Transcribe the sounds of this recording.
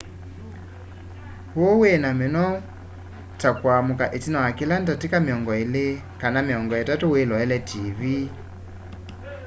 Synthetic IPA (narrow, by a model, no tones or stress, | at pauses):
woweːnamenɔ | takwamukaʔetinawakilantatikameɔŋɡɔele | kanameɔŋɡɔɛtatowelɔɛlɛtʰivi